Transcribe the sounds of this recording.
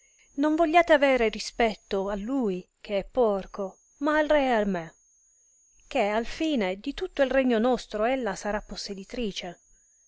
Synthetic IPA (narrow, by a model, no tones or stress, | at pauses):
noɱvoʎːaːt̪eavɛːɾerispɛt̪ːoalːuːj | k̟ʰeɛpːɔrko | maːlrɛalme | k̟ealfiːned̪it̪ut̪ːoilreɲːonɔst̪ɾoelːasaɾapːosːed̪it̪ɾiːt͡ʃe